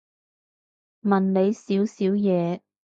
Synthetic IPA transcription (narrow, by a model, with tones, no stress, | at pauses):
mɐ˨˩nle˨˧jsiː˨˥wsiː˨˥wjɛː˨˧